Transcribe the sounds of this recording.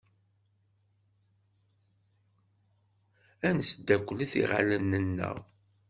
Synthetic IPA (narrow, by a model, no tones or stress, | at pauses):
ænsd̪ːækʷːliθḭʁa̰lənːənːə̰ʁ